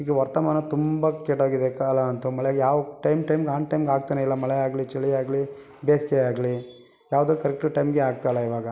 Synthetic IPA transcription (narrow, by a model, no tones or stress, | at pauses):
iɡeʋɐɾt̪ɐmaːnɐt̪umbɐkeʈoːɡid̪ekalɐɐnt̪umɐɭɡjaːʋɐʈɐjmʈɐjmɡaːnʈɐjmɡaːɡ̚t̪ɐneilːɐmɐɭɛaːɡlit͡ʃɐɭiaːɡli | beːskeaːɡli | jaːʋd̪oːkɐɾɛk̚ʈuʈɐjmɡeaːɡ̚t̪ajlːɐiʋaːɡɐ